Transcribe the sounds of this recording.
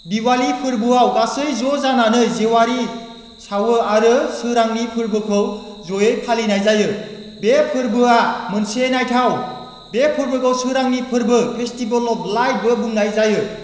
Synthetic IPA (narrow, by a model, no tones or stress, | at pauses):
biwalipʰɯɾbɯawɡasɯjzozananɯzewaɾi | sawɯaɾɯsɯɾaŋnipʰɯɾbɯkʰɯw | zojejpʰalinajzajɯ | bepʰɯɾbɯamɯnsenajtʰaw | bepʰɯɾbɯkʰɯwsɯɾaŋnipʰɯɾbɯpʰestibəlɔblajd̚bɯbuŋnajzajɯ